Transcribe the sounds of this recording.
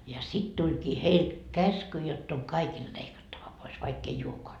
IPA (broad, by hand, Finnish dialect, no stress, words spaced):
jɑ sit tulʲkiː heil kæsky jotː oŋ kɑikild̥ leikɑtːɑʋɑ pois ʋɑikː ei uokoɑ